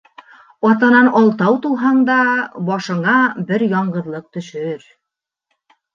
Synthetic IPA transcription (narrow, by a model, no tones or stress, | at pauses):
ɒt̪ɑnɑnɒlˠt̪ɑwt̪ulˠɦɑɴd̪ɑbɒʃɤ̆ɴɑbɘɾjɒɴɢɤ̆ðlˠɤq̚t̪ɵ̆ʃɵɾ